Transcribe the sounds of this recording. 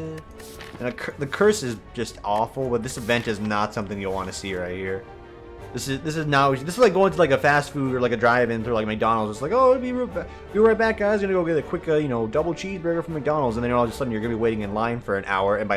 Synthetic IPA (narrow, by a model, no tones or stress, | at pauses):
ɨ̃nɨkʰðɨkʰɜ˞sɨzd͡ʒʌstɔfl̩ˠbʌt̪̚ðɪsɨvɛ̃ntɨznətsʌ̃mθɪ̃ŋjɨwɑ̃nɨsiɹaɪt̚hiɹ | ðɪsɨzðɪs̬ɨznaðɪsəzlak̚ɡoʊɪ̃ŋtʰɨlaɪkɨfæstfuɾə˞laɪkɨdɹaɪvɪ̃ŋθɹʉlaɪk̚mɨk̚d̥ɑnl̩ˠzətslaɪkoʊbiɹb | biɹaɪbæk̚ɡ̥aɪzɡʌñɨɡoʊɡɛɾɨkʰw̥ɪkɨjɨñoʊdʌbl̩ˠt͡ʃʰizbɹeɪɡə˞fɹʌ̃mɨk̚d̥ɑnl̩ˠdz̃n̩ðɨ̃njə˞ɔlˠd͡ʒʌstsʌdⁿn̩jə˞ɡʌ̃nɨbiweɪɾɪ̃ŋɨ̃nlãɪ̃nfə˞ɨ̃nʔa̰ʊə˞ɨ̃nbaɪ